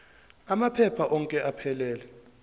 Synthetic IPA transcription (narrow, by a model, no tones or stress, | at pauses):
amapʰɛpʰaʔɔŋkʼɛʔapʰɛlɛːlɛ